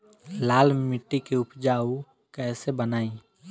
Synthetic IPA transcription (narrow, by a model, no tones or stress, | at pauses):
laːlmɪʈːikeʊpd͡ʒaːu | kɛːsebənaːĩ